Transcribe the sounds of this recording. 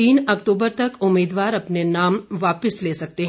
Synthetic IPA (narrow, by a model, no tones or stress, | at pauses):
iːnɐkʈuːbəɾt̪ɐkʊmːiːd̪ʋaːɾɐpnenaːmʋaːpəsleːsɐk̚t̪eɦ